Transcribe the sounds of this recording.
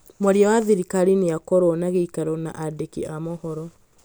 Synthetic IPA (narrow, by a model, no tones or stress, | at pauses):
mɔɾjawaðiɾikaɾinejakɔɾɔnaɣeikaɾɔna̰ʔadekiamɔhɔɾɔ